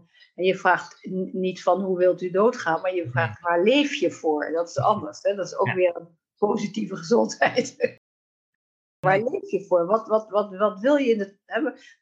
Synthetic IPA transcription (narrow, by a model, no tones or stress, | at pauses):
ɛnjəv̥raːχtnitfɑnɦuʋɪlˠtydowtχaːnmaːɹjəvraːχtʋaːɹlejfjəv̥ʊːɹdɑtɪ̥sɑ̰ndəɹsɦɛdɑtɪsowkʋɪːrən | powzitivəχəzɔntɦɛjt | ʋaːɹlejfjəvʊːɹʋɑtʋɑtʋɑtʋɑtʋɪlˠjəɪnə | ɦɛ